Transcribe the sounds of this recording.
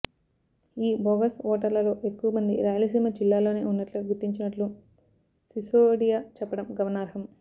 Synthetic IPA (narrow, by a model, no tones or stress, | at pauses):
iːbɔːɡɐsɔːʈɐɾlɐlo̞ːʔe̞kːuʋɐmɐnd̪iɾaːjɐlɐsiːmɐd͡ʒilːaːlo̞ːne̞ːunːɐʈluɡut̪ːiɲt͡ʃinɐʈlu | sisoːɽijaːt͡ʃɛpːɐɽɐmɡɐʋɐnaːɾɦɐm